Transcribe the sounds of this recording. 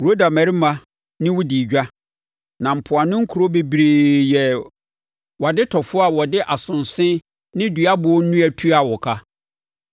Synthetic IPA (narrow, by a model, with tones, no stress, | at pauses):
ɾo˦da˨mæ˨ɾi˦mã˨ | nɪ̃˦wʊ˦di˨d͡ʑᶣa˦ | nã˨m̩˨pʰʊ˨a˨nʊ̃˦ŋ̩˦kʰu˨ɾo˦be˨bɾeː˨jɛ˨ | wa˨dɪ˦tʰɔ˨fʊ˦a˨wɔ˨dɪ˦ʔa˨sʊ̃˨n˨sɪ̃˦ | nɪ̃˦du˨a˦bʊ˨ɔ˦nũ˦æ˨tʰu˦a˨wɔ˨kʰa˦